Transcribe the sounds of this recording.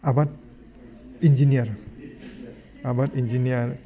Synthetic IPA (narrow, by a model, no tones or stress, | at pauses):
abat̚ | ind͡ʒiniaɾ | abatind͡ʒinijaɾ